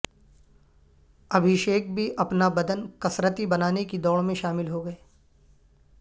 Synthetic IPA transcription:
ɐbʱɪʃeːk̚bʱiʔɐpnabɐd̪ənkɐsɾət̪ibɐnaːnekid̪ɔːɭmẽʃaːmɪlɦoɡɐeː

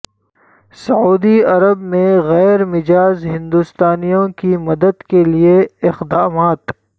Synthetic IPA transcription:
sɐuːd̪iɐɾəbmẽɣɛːɾmɪd͡ʒaːzɦɪ̃nd̪ust̪aːnijõkimɐd̪əd̪kelieɪqd̪aːmaːt̪

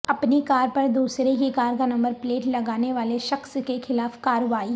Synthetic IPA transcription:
ɐpnikaːɾpɐɾd̪uːsɾekekaːɾkanɐ̃mbəɾpleːʈlɐɡaːneʋaːleʃɐxskexɪlaːfkaːɾʋaːi

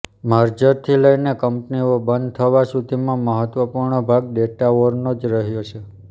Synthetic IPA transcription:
maɾd͡ʒəɾt̪ʰiləjnekəmpniobənd̪̚t̪ʰəʋasud̪ʱimãməɦət̪ʋəpuɾɳəbʱaɡ̚ɖeʈaoɾnod͡ʒɾəɦjot͡ʃʰe

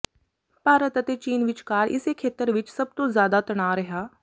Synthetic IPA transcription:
paːɾət̪ɐt̪et͡ʃiːnʋɪt͡ʃkaːɾʔɪ̰sekʰeːt̪əɾʋɪt͡ʃsɐb̚t̪ozjaːd̪at̪ɐɽ̃aːɾɐɦaː

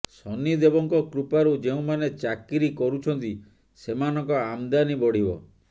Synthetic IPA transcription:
sɔnid̪ebɔŋkɔkɾupaɾud͡ʒeũmanet͡ʃakiɾikɔɾut͡ʃʰɔnt̪i | semanɔŋkɔamd̪anibɔɽ̤ibɔ̰

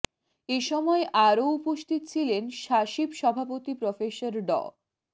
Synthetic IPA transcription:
eʃɔmɔeʔaɾoupoʃt̪ʰit̪t͡ɕʰilenʃaʃibʃɔbʱapot̪ipɾofesoɾɖɔ̰

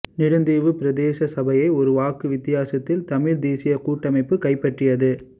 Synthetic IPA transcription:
nɪɽɯnd̪iːʋɯpɪɾɐd̪eːsɐsɐbɐjɐɪɔɾɯʋaːkɯʋɪt̪ːɪjaːsɐt̪ːɪlt̪ɐmɪɻd̪iːsɪjɐkuːʈːɐmɐɪpːɯkɐɪpːɐʈrɪjɐðɯ

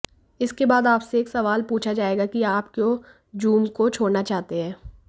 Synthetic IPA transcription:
ɪskebaːd̪aːpseeːksɐʋaːlpuːt͡ʃʰad͡ʒaːeːɡakiaːpko | d͡ʒuːmkot͡ʃʰoːɽnat͡ʃaːɦt̪eɦɛ̃ː

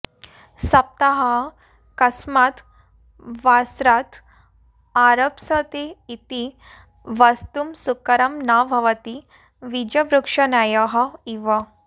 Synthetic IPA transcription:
sɐp̚t̪ɐɦɐ | kɐsmaːt̪ | ʋasɾaːt̪ | aɾɐpsɐt̪eːt̪i | ʋɐst̪umsukɐɾɐmnabʱɐʋɐt̪i | ʋid͡ʒɐʋɾukʂɐnaːjɐɦɐiʋɐ

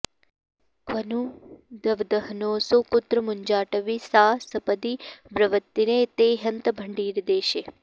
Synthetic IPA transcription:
kʰʋɐnud̪ɐʋd̪əɦnoːsokʊt̪ɾəmuɲd͡ʒaːʈɐʋisaːsɐpəd̪ibɾɐʋət̪ːineːt̪eːɦɐnt̪bʱəɳɖiːɾd̪eːʃeː

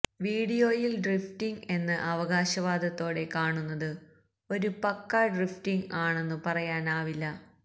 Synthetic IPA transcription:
ʋiːɽijoːjilɖriftiŋe̞nːɨʔɐʋɐɣaːɕɐʋaːd̪ɐt̪ːo̞ːɽe̞kaːɳunːɐðɨ | o̞ɾupɐkːaɖriftiŋɡaːɳe̞nːɨpɐrɐjaːnaːʋilːɐ

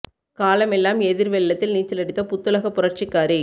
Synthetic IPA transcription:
kaːlɐmɛlːaːmɛðɪɾʋɛɭːɐt̪ːɪlniːt͡ʃːɪlɐɽɪt̪ːɐpʊt̪ːɯlɐɣɐpːʊrɐɾt͡ʃɪkːaːɾi

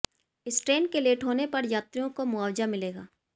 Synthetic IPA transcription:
ɪsʈɾeːnkeleːʈɦoːnepɐɾjaːt̪ɾijõkomʊaːwd͡ʒamɪleːɡaː

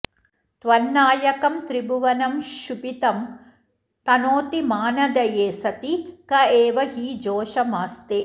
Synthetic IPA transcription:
t̪ʋɐnːaːjɐkɐmt̪ɾibuʋɐnɐmʃupit̪ɐm | t̪ɐnoːt̪imaːnɐd̪ɐjeːsɐt̪ikɐeːʋɐɦid͡ʒoːʃɐmaːst̪eː

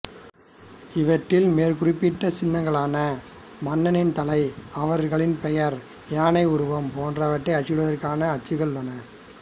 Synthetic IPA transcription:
ɪʋɐʈːɪlmeːɾkʊrɪpːɪʈːɐsɪnːɐŋɡɐɭaːnɐ | mɐnːɐnɪnt̪ɐlɐɪɐʋɐɾɣɐɭɪnpɛjɐɾ | jaːnɐɪʊɾʊʋɐmpoːndrɐʋɐʈːɐɪɐt͡ʃːɪɽɯʋɐðɐrkaːnɐːt͡ʃːɯɣɐɭlɐnɐ

